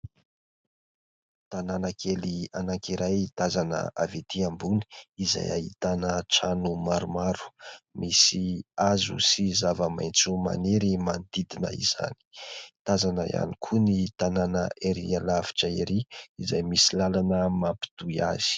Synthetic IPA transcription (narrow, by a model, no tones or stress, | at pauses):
t̪ananakʰelianaŋkiɾajit̪azanə̰avet̪iambuni̥iza̰ja̰ɦḭt̪anəʈ͡ʂanumaɾumaɾu̥misiazṵsizavəma̰jnt͡suma̰neɾimand̪id̪inə̰ḭz̥a̰ni̥t̪azanəja̰nikʰunit̪ananə̰ʔeɾḭalavi̥ʈ͡ʂaiɾiizajmisilalanəmampi̥t̪uia̰z̥i̥